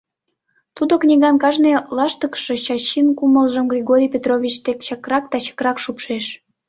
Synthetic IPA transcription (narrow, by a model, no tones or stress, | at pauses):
t̪ud̪oknʲiɣɑnkɑʒnelɑʃt̪əkʃet͡ɕɑɕinkuməlʒəmɡrʲiɣoɾʲijpʲet̪roβʲit͡ɕt̪ekt͡ɕɑkrɑkt̪ɑɕɑ̥krɑkʃupʃeʃ